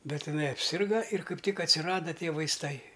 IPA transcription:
ˈbʲɛt ɪˈnɐɪ ɐpʲˈsʲɪrɡɐ ɪr ˈkɐɪp ˈtʲɪk ɐtʲsʲɪˈrɑːdɐ ˈtʲiɛ ʋɐɪsˈtɐɪ

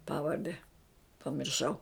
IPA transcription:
ˈpɑːʋɐrʲdʲɛ pɐmʲɪrˈʃɐʊ

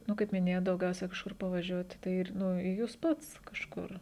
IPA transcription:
ˈnʊ kɐɪp mʲɪˈnʲeːjoːt dɐʊˈɡʲɛʊsʲɛ kɐʃˈkʊr pɐʋɐˈʒʲuɔtʲɪ tɐɪ ˈɪr nʊ ɪ ˈjuːs ˈpɐts kɐʃˈkʊr

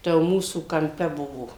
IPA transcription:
ˈtɐ jɛʊ ˈmuːsuː kɐmʲˈpʲɛ ˈbʊʋoː

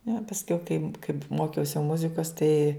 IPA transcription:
nʲɛ pɐsʲˈkʲɛʊ kɐɪp kɐɪp ˈmoːkʲɛʊsʲɪ ˈmʊzʲɪkoːs tɐɪ

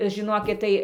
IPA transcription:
ʒʲɪˈnoːkʲɪt tɐɪ

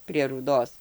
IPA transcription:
pʲrʲiɛ ruːˈdoːs

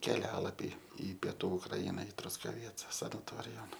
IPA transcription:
kʲɛˈlʲæːlˠɐpʲiː ɪ pʲiɛˈtuː ʊkˈrɐɪnɐ ɪ trʊskɐˈʋʲiɛt͡sɐ sɐnɐˈtoːrʲɪjoːn

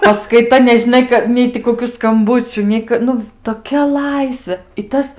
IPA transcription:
pɐskɐɪˈtɐ nʲɛʒʲɪˈnɐɪ kɐ ˈnʲɛɪ tʲɪ koːkʲʊ skɐmˈbʊt͡ʃʲuː ˈnʲɛɪ k ˈnʊ toːˈkʲɛ ˈlˠɐɪsʲʋʲeː ɪ ˈtɐs

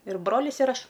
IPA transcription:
ɪr ˈbroːlʲɪs ɪr ˈɐʃ

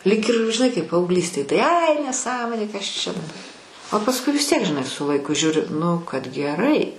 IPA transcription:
lʲiːk ɪr ʒʲɪˈnɐɪ kɐɪp pɐɐʊɡˈlʲiːsʲtʲeːj tɐɪ ɐɪ nʲɛˈsɑːmoːnʲeː kɐs ˈt͡ʃʲɛ dɐbɐ oː pɐsˈkʊɪ ʋʲɪs tʲiɛk ʒʲɪˈnɐɪ sʊ lˠɐɪˈkʊ ˈʒʲuːrʲɪ nʊ kɐt ɡʲɛˈrɐɪ

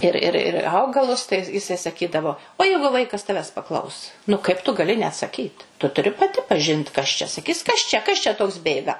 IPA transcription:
ɪr ˈɪr ɪr ˈɐʊɡɐlˠʊs tɐɪ jɪˈsɐɪ sɐˈkʲiːdɐʋoː oː ˈjɛɪɡʊ ˈʋɐɪkɐs ˈtɑːʋʲæːs pɐˈklˠɐʊs nʊ kɐɪp tʊ ɡɐlʲɪ nʲɛɐtsɐˈkʲiːt tʊ tʊˈrʲɪ pɐˈtʲɪ pɐˈʒʲɪnt kɐs t͡ʃʲɛ sɐˈkʲiːs ˈkɐs t͡ʃʲɛ ˈkɐs t͡ʃʲɛ ˈtoːks ˈbʲeːɡɐ

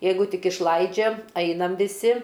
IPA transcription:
ˈjɛɪɡʊ ˈtʲɪk ɪʃˈlˠɐɪd͡ʒʲɛ ˈɐɪnɐm ʋʲɪˈsʲɪ

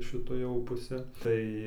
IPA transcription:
ʃʲɪˈtɐ jɛʊ pʊˈsʲɛ tɐɪ

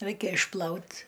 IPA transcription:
ˈrɐɪkʲɛ ɪʃˈplˠɐʊt

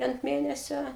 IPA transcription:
ɐnt ˈmʲeːnʲɛsʲoː

